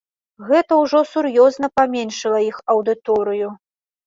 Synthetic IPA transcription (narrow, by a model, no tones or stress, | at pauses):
ɣɛt̪ɐwʐɔsuɾjɔzn̪ɐpamʲenʂɨlˠɐixɐwd̪ɨt̪ɔɾɨju